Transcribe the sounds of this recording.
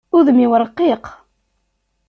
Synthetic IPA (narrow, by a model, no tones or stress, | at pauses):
uðmiwəɾˤqːiq